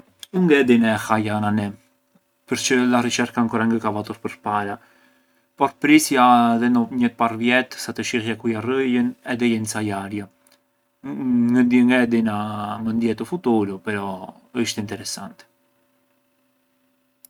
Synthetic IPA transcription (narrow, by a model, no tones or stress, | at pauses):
uŋɡɛd̪inɛxajananɛ | pəɾt͡ʃəlarit͡ʃɛɾkaŋkɔrɛŋɡəkavat̪uɾpəɾpaɾa | pɔɾpɾisjaðɛnɔɲəpaɾvjɛt̪sat̪əʃihjakujarəjənɛðɛjɛnsajaɾja | ŋəd̪əŋɡɛd̪inamənd̪jɛt̪əfut̪uɾupɛɾɔ | əʃt̪ɛint̪ɛɾɛsant̪ɛ̥